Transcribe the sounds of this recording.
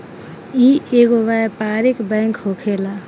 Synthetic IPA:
iʔeɡoʋaepaɾikbɛ̃ŋkɦokʰela

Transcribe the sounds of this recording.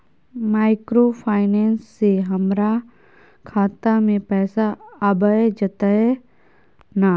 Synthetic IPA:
maːɪkɾopʰaːɪnɛːnsːeɦɐmɾa | kʰaːt̪amẽpɛːsaːbəed͡ʒɐt̪aɛ | naː

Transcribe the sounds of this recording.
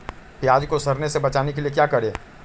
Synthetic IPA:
pjaːd͡ʒkosɐɾnesebɐt͡ʃaːnek̬elijek̬jaːkɐɾeː

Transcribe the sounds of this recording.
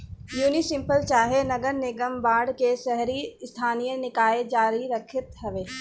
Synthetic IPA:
juːnisɪ̃mpəlt͡ʃaːɦenɐɡəɾnɪɡəmbaːɽkeʃɛɦɾiɪst̪ʰaːnijənɪkaːed͡ʒaːɾiɾɐkʰɪt̪ɦɐʋeː

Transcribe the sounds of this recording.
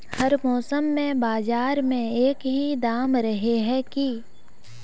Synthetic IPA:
hɐɾmɔːsəmːẽbaːzaːɾmẽeːkɦid̪aːmɾɐɦeɦɛ̃ki

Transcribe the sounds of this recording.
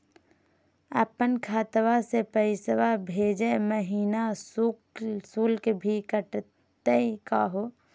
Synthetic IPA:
əpənkʰaːt̪ʋasepəɪsəʋabʱeːd͡ʒeməɦiːnasuksuːlkebʱiːkəʈ | t̪ekaɦoː

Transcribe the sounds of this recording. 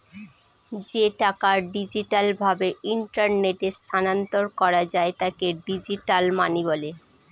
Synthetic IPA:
d͡ʑeʈakaɖid͡ʑiʈalbʱabeiɳʈaɾneʈest̪ʰanant̪oɾkɔɾad͡ʑaet̪akeɖid͡ʑiʈalmanibɔle

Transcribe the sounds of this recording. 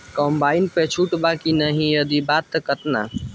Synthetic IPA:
kɔmbainpet͡ʃʰuʈbakinəɦĩjəd̪ibat̪ːəkət̪na̰

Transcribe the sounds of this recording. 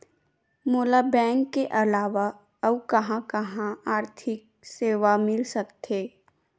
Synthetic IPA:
moːlabɛ̃ːŋkːeʔɐlaːʋa | əbkɐɦãkɐɦãaːɾt̪ʰɪk̚ | seːʋamɪlsɐkt̪ʰeː

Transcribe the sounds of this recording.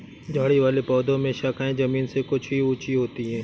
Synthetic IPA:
d͡ʒʱaːɽiʋaːlepɔːd̪õmẽʃaːkʰaːẽzɐmiːnsekʊt͡ʃʰɦiuːt͡ʃiɦoːt̪iɦɛ̃ː

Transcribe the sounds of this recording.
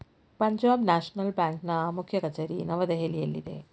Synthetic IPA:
pɐɲd͡ʒaːbnaːʃnɐlbaːŋknɐmukʰjɐkɐt͡ʃɐɾinɐʋɐd̪eɦelijɐlːḭd̪ḛ

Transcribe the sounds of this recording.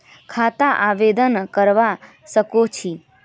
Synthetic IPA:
kʰat̪aʔaʋed̪ənkəɾʋa | ʃəkot͡ʃʰi

